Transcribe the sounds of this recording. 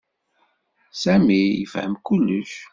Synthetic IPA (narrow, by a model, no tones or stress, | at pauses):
sæmijəfhəmkulːəʃ